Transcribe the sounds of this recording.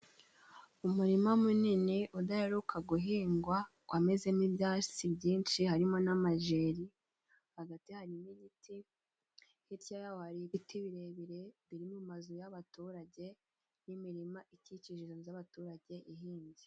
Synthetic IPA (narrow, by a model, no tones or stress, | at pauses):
umuɾimamunineʔudajeɾukʰaɡuɦiːŋɡwa | kwameze̞nibjaːt͡ʃibɟiːnʃihaɾimo̞namaʒeɾi | haɡatihaɾiniɟitʰi | hiɾjajawhaɾiβitʰiβiɾe̞βiɾe̞βiɾimumazujaβatuɾaɟe̞ | nimiɾimaʔiciciʒizozaβatuɾaɟe̞ʔiɦiːɲɟi